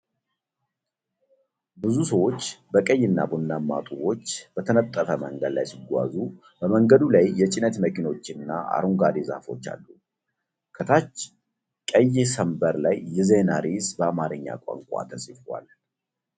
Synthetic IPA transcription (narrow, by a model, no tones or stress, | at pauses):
bɨzusəwo̞t͡ʃːbəkʼəjːɪnːa̰bunːamːa̰t̪ʼuwo̞t͡ʃːbət̪ʰənət̪ʼːəfəməŋɡəd̪la̰jsiɡʷa̰zu | bəməŋɡəd̪ulajːɛt͡ʃʼɪnət̪məkino̞t͡ʃːɪnːaa̰ɾuŋɡad̪eza̰fo̞t͡ʃːa̰lːu | kʰət̪ʰat͡ʃː | kʼəjːɛsəmbəɾlajːɛzenaɾisbəamaɾɨɲːa̰kʼa̰ŋkʷʼa̰t̪ʰəsʼifwa̰l